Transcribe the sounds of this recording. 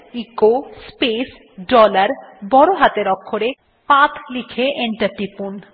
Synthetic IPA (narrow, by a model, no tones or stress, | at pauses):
ikospes | ɖɔlaɾbɔɾoɦat̪eɾɔkʰːoɾe | pãt̪ʰlikʰeʔeɳʈaɾʈipun